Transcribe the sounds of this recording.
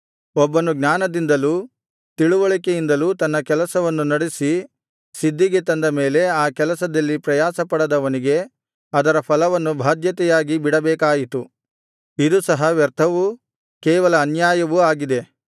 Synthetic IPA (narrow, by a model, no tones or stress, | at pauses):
ɔbːɐnuɡnaːnɐd̪ind̪ɐluː | t̪iɭuʋɐɭikejind̪ɐluːt̪ɐnːɐkɛlɐsɐʋɐnːunɐɽisi | sid̪ːiɡet̪ɐnd̪ɐmeːle̞aːkɛlɐsɐd̪ɐlːipɾɐjaːsɐpɐɽɐd̪ɐʋɐniɡe̞ | ɐd̪ɐɾɐpʰɐlɐʋɐnːubʱaːd̪jɐt̪ɛjaːɡibiɽɐbɛːkaːjit̪u | id̪usɐɦɐʋjɛɾt̪ʰɐʋu | kɛːʋɐlɐːnjaːjɐʋuaːɡid̪e̞